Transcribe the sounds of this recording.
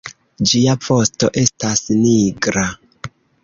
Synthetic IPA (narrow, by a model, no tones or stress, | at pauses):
d͡ʒiap͡fo̞sto̞ʔe̞stasniɡɾa